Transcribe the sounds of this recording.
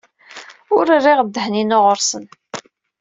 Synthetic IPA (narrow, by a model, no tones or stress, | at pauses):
ʊɾərːɪʁd̪ːəhninʊʁəɾsən